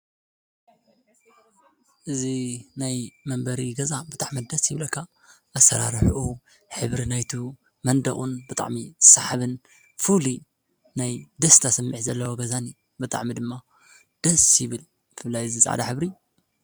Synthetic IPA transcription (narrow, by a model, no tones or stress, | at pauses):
ʔɨzinajmɐmbɐɾiɡɐzabɨt̪ʼaʕmid̪ɐsjɪβlɐkʰːa | ʔɐsːɐɾa̰ɾħʔu | ħɨβɾinajt̪ʰu | mɐnd̪ɐχʼunbɨt̪ʼa̰ʕmizɨ̥sːaħaβɨn | fuli | najd̪ɐst̪ʰasɐmːɨħzɐlːɐwoɡɐzani | bɨt̪ʼa̰ʕmid̪ɨmːa | d̪̥ɐsjɪβɨl | jɪfɨlːajɨzit͡sʼa̰ʕa̰d̪a̰ħɨβɾi